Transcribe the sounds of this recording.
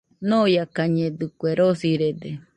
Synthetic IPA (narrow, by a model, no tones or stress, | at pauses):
nõjakaɲẽd̪ɨkʷeɾosiɾed̪e